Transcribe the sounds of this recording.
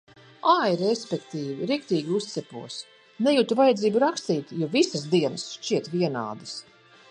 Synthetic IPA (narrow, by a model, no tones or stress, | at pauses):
aːjiɾespʲɛkt̪iːviɾikt̪iːɡʲiust̪sɛpuɔs | nɛjut̪uvajɛd̪ziːbuɾakst̪iːt̪jɔvisasd̪iɛnəsʃt͡ʃiɛt̪viɛna̰ːd̪ɨs